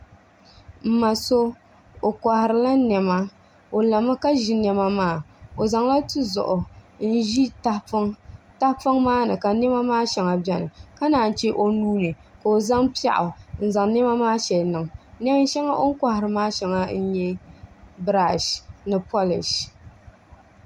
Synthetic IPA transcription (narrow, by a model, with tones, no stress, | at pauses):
m̩˦ma˨so˦ | o˨kʷa˨hɪ˨ɾɨ˨la˦nɛ˨ma˦ | o˨la˨ma˦ka˦ʒi˨nɛ˦ma˦maː˦˨o˨za˨ŋla˦tɨ˦zʊ̰˨ʔʊ˨n̩˦ʒi˦ta˦ŋ | ta˦hpa˦ŋmaː˦nɨ˨ka˨nɛ˦ma˦maː˦ʃɛ˨ŋa˨bɛ˨nɨ̰˨ka˦naː˨n̩˨t͡ʃe˦ʔo˦nuː˦nɨ˨ | ka˨o˨za˦ŋpi˦a̰˦ʔʊ̰˨n̩˦za˨ŋ˦nɛ˦ma˦maː˦ʃɛ˨lnɨ˨ŋnɛ˦m˦n˦ʃɛ˦ŋa˦ʔo˦ŋ˦ka˨hɪ˨ɾɨ˨maː˦ʃɛ˨ŋa˦n̩˦ɲɛ˦ | bɾa˨ʃnɨ˨pʰo˦lɪ̰˨ʃ